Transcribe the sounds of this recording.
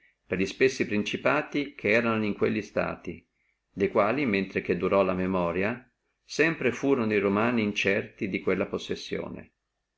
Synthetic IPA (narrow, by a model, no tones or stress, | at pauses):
perʎispesːipɾint͡ʃipaːt̪ikʰeɛːɾanoiŋkweʎːist̪a̰ːt̪ḭ | d̪ejkwaːliment̪ɾek̟ed̪ːuɾɔlamemɔːɾja | sɛmpɾefuːɾonoiɾomaːniːnt͡ʃɛrt̪id̪ikwelːaposːesːjo̰ːnḛ